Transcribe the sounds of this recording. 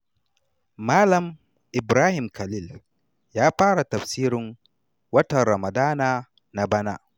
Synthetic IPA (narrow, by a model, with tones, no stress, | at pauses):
maː˦lɐ˨m | ʔɪ˨bɾaː˦hɪ˨mkʰɐ˨liː˦˨l | jaː˦ɸaː˦ɽa˨tɐ˨ɸsiː˦ɾɪ˨ŋ | wɐ˦tɐ˨nɾɐ˨ma˨daː˦naː˨ | na˨bɐ˦naː˦